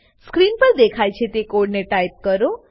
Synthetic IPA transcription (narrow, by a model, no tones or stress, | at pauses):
skɾinpəɾd̪ekʰajt͡ʃʰet̪ekoɖneʈajp̚kəɾo